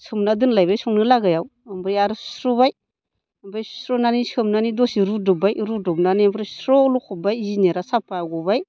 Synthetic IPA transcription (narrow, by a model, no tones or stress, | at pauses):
sɯmnadɯnlajbajsɔŋnɯlaɡajawambɾiaɾɯsɾɔbaj | mbɾajsɾɔnanisɯmnanidɔsiɾudɔbajɾudɔbnanimbɾisɾɔlukʰɔbajzineɾasapaɡɔbaj